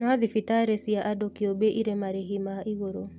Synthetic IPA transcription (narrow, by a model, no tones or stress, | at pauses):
naaðifitaɾɛsiaʔadokiobeʔiɾemaɾɛɦimaiɣoɾo